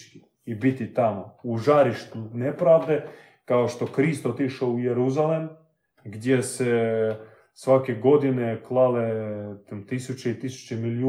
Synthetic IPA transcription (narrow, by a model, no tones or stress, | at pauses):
ki | ibit̪it̪amouʒaɾiʃt̪unepɾavd̪e | kaoʃt̪o̞kɾist̪ot̪iʃoujeɾuzalem | ɡd̪jese | sʋakeɡo̞d̪ineklˠale | t̪isut͡ʃeit̪isu̥t͡ʃemiliju